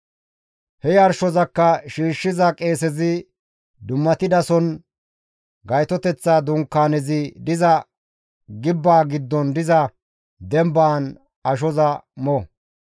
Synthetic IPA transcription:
hɛjɐɾʃɔzɐkːɐʃiːʃːɪzɐkʼe̞ːsɛzɪ | d̪ʊmːɐt̪ɪd̪ɐsɔn | ɡɐjt̪ɔt̪ɛt͡sːaːd̪ʊŋkːaːnɛzɪd̪ɪzɐ | ɡɪbːaːɡɪd̪ːɔnd̪ɪzɐ | d̪ɛmbaːn | ɐʃ̬ɔzɐmɔ

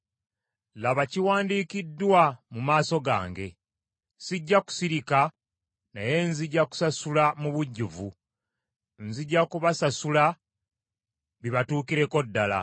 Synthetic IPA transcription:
laβaciwaːndiːkidːwamumaːso̞ɡa̰ːŋɡe̞ | siɟːaku̥siɾika | na̰je̞nziɟːaku̥sasulamuβuɟːuvu | nziɟːakuβasasula | βiβatuːkiɾe̞ko̞dːala̰

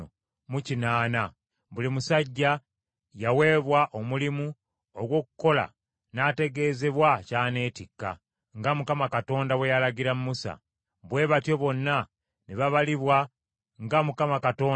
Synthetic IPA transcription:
o | mucinaːna | βulimusaɟːa | jawe̞ːβwaʔo̞mulimu | oɡwo̞kuko̞la̰ | naːte̞ɡe̞ːze̞βwacaːne̞ːtikːa̰ | ŋɡamukamakato̞ːndawe̞jalaɟiɾamːusa̰ | βwe̞ːβatjo̞βo̞nːa | neβaβaliβwa | ŋɡamukamakato̞ː

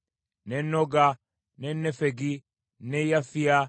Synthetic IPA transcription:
nenːoɡa | nenːɛfɛɡi | nejafːija

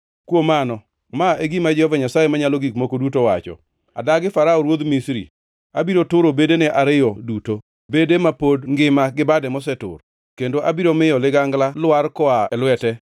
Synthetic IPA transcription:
kwomanɔ | maeɡimad͡ʒɛhɔvaɲasajemaɲaloɡikmokodutowa̰t͡ʃɔ̰ | a̰daɡɪfaɾaɔɾwod̪misɾḭ | abiɾotʊɾobedenɛʔaɾɪjɔduto | bedemapodŋɡɪmaɡɪbadɛmɔs̬ɛtʊ̰ɾ | kendoʔabiɾomɪjɔlɪɡaŋɡlalwarkɔaɛlwɛtɛ

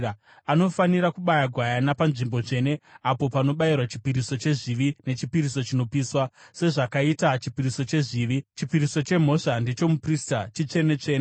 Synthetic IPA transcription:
ano̞faniɾakuɓajaɡʱwajanapanʐimbo̞t͡ʂe̞ːne̞apo̞pano̞ɓairwat͡ʃi̥piɾiso̞t͡ʃe̞ʐiʋine̞t͡ʃipiɾiso̞t͡ʃino̞piːswase̞ʐakaitat͡ʃipiɾiso̞t͡ʃe̞ʐiːʋit͡ʃipiɾiso̞t͡ʃe̞m̤o̞ʂande̞t͡ʃo̞mupristat͡ʃit͡ʂe̞ne̞t͡ʂe̞ːne

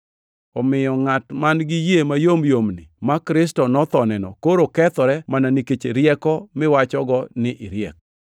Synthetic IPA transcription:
ɔmɪjɔŋatmanɡɪjemajomjomnɪ̰makɾɪs̬tɔnɔt̪ɔnɛnɔ̰koɾokɛt̪ɔɾɛmananiket͡ʃeɾjɛkɔmɪwat͡ʃɔɡɔnɪʔɪɾjɛk

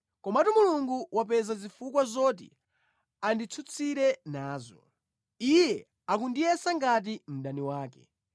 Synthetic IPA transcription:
kɔmaatumuluŋɡuwap̬ɛzazifukwazɔːt̬ḭ | andit͡sʰut͡sʰiɾɛnaːzɔ̰ | ijɛ | ak̬undijɛsaŋɡat̬im̩ɗaniwaːkɛ̰

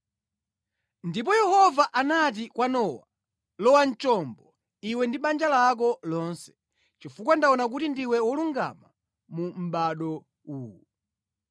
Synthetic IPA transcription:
ndip̬ɔjɛhɔvaʔanat̬ikwanɔwa | lɔwan̩t͡ʃɔmbɔ | iwɛndiɓand͡ʒalak̬ɔlɔnsɛ̥ | t͡ʃifuk̬wandaɔnak̬utindiwɛwɔluŋɡa̰ma | mum̩ɓaɗɔ | uːu

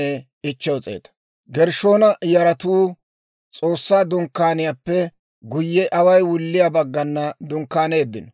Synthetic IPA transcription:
e | ɪt͡ʃːɛwt͡sʼḛːt̪ɐ̥ | ɡɛɾʃo̞ːnɐjɐɾɐt̪uː | t͡sʼo̞ːsːaːd̪ʊŋkːaːnɪjapːɛ | ɡʊjːɛʔɐwɐjwʊlːɪjabɐɡːɐnːɐd̪ʊŋkːaːneːd̪ːɪnɔ

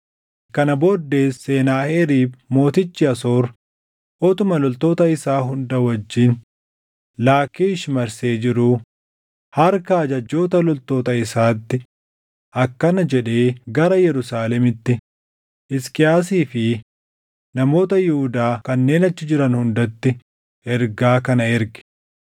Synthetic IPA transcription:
kɐnɐboːd̪ːe̞ːsːe̞ːnaːheɾiːbmo̞ːt̪ɪt͡ʃːɪɐso̞ːɾ | ʔɔt̪ʊmɐlɔlt̪o̞ːt̪ɐɪsaːɦʊnd̪ɐwɐd͡ʒːiːn | laːkiːɪʃɪmɐɾse̞ːd͡ʒɪɾʊ | hɐɾkɐːd͡ʒɐd͡ʒːo̞ːt̪ɐlɔlt̪o̞ːt̪ɐɪsaːt̪ːɪ | ʔɐkːɐnɐd͡ʒɛᶑe̞ːɡɐɾɐjɛɾʊsaːlɛmɪt̪ːɪ | ʔɪskɪjaːs̬iːfɪ | nɐmo̞ːt̪ɐjʊhʊd̪aːkɐnːe̞ːnɐt͡ʃːɪd͡ʒɪɾɐnhʊnd̪ɐt̪ːɪ | ɛɾɡaːkɐnɐɛɾɡɪ̥

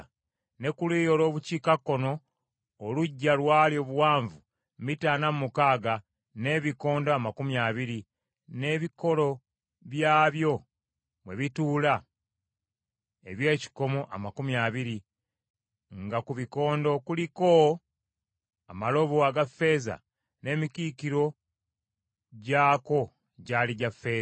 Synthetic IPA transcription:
ne̞kuliːjo̞lo̞ːβuciːkakːo̞no̞ː | luɟːalwaːljo̞ːβuwaːɱvu | mitaːnamumukaːɡa | ne̞βiko̞ːndoamakumjaβiɾi | ne̞ːβiko̞lo̞ | βjaːβjo̞ | mwe̞βituːla | e̞̰βje̞ːci̥ko̞moʔa̰makumjaːβiɾi | ŋɡakuβiko̞ːndo̞kuliko̞ | amalo̞βoaɡafːe̞ːza̰ | ne̞ːmikiːkiɾo̞ | ɟaːko̞ | ɟaliɟafːe̞ː

